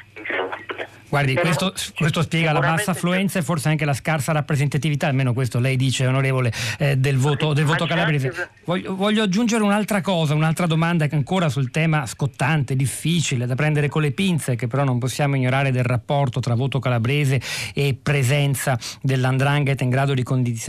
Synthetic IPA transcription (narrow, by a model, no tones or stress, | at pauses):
ɡward̪ikwest̪okwest̪ospjɛːɡalabasːafluɛnt̪saefːorseaŋkelaskarsaɾapːɾezent̪at̪ivit̪aːlmeːnokwest̪olɛjd̪iːt͡ʃeonoɾeːvoled̪elvoːt̪od̪elvoːt̪okalabɾeːze | vɔʎːovɔʎːoad͡ʒːund͡ʒeɾeunalt̪ɾakɔːzaunalt̪ɾad̪omand̪aaŋkoːɾasult̪ɛːmaskot̪ːant̪ed̪ifːit͡ʃiled̪apɾɛnd̪eɾekolːepint̪sekepːeɾɔnːomposːjaːmoiɲːoɾaːɾed̪elrapːɔrt̪ot̪ɾavoːt̪okalabɾeːzeːpːɾezɛnt̪sad̪elːand̪ɾaŋɡet̪ːiŋɡɾaːd̪od̪ikond̪it̪s